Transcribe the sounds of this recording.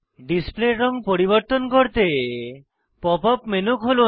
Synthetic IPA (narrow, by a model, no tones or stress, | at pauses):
ɖispleɾɔŋpɔɾibɔɾt̪ɔnkɔɾt̪e | pɔpɔpmenukɦolu